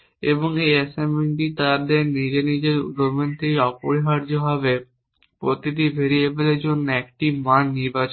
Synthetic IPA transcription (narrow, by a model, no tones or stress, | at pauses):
eboŋejeseminʈit̪aɾd̪eɾnid͡ʑenid͡ʑeɾṵoment̪iɔpoɽiɦaɾd͡ʑoɦɔbe | pɾot̪it̪ibʱeɾiebeled͡ʑonːoɛk̚ʈimanːiɾbat͡ɕ